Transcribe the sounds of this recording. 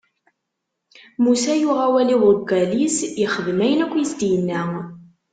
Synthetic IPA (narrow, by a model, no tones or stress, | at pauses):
musæjʊʁawæliwʊɾɡælisjəχəðmæjənækʷːjəsd̪ijənːæ